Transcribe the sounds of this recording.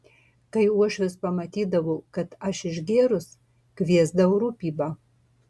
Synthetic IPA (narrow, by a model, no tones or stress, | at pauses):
kɐɪuɔʃʲʊspɐmɐt̪ʲiːd̪ɐʋoːkɐt̪ɐʃɪʒɡʲeːɾʊs | kvʲiɛzd̪ɐʊɾuːpʲiːbɐ